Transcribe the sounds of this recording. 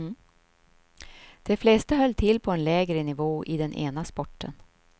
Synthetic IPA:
d̪̥ɛflɛst̪əɦœlːt̪ʰɪlːpʰɔɛnlɛːɡɾənɪvoːʔɪd̪ɛnʔḛːnaspɔʈːə̰n

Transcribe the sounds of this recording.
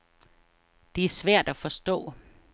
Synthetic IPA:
d̥e̝æɐsʋæɐ̰d̥æfɒ̽sd̥ɔ̰̽ː

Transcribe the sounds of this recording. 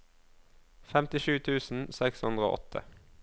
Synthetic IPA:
fɛmt̪ɪʃʉːt̪ʰʉːsn̩sɛkshʉnd̪ʁo̰ːʔɔ̰t̪ʰə̰

